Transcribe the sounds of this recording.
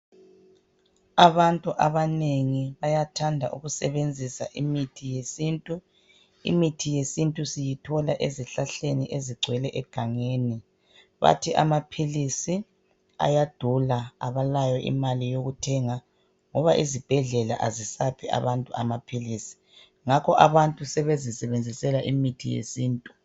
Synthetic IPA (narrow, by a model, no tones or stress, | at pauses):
aβantʼuʔaβaneŋiβajatʰandʱaʔṵɣusɛβend͡zʱisa̰ʔimitʰijesintʼu | ḭmitʰijesintʼusijitʰɔlaʔeziɬaɬeniʔeziɡ͡ǀʱwɛlɛʔɛɡ̥ʱaŋeːni | βa̰tʰiʔa̰mapʰilisi | a̰jad̥ʱulaa̰βalajɔʔḭmalijoɣutʰɛŋa | ŋɔβaʔizib̥ʱɛɮɛla̰ʔazisapʰia̰βantʼuamapʰilisi̥ | ŋakʰɔʔaβantʼusɛβezisɛβend͡zʱisɛlaʔimitʰijḛsiːntʼu